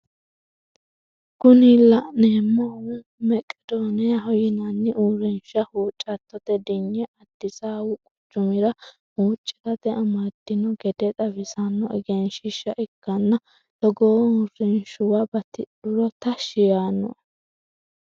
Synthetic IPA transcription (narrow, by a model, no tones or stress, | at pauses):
kʊnɪlɐneːmːɐwɛ | mɛkʼːɛd̪oːnɪjɐɦɔjɪnɐnːɪʔuːɾɪnʃɐhuːt͡ʃʼːɐt̪ːɔt̪ɛd̪ɪɲːɛʔɐd̪̥ːɪsaːwʊkʼʊt͡ʃːʊmɪɾɐ | huːt͡ʃʼːɪ̥tɐt̪ɛʔɐmat̪ːɪnɔɡɛd̪ɛt̪ʼɐfɪsɐnːɔʔɪɡɛnʃɪʃːɐʔɛkːɐnːɐ | t̪ɔɡoːuːrɪnʃʊwabɐt̪ɪᶑʊɾɔt̪ɐʃɪjaːnːɔ̰